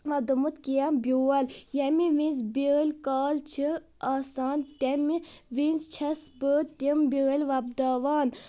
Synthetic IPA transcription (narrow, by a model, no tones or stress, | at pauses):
ʋɐd̪umut̪kijambʲuːɐljɐmiʋĩnzbiɣlʲkaːlt͡ʃʰiaːsaːnt̪ʲɐmiʋinzt͡ʃʰɐsbət̪imbiɣɐlʲʋɐb̚d̪aːʋaːn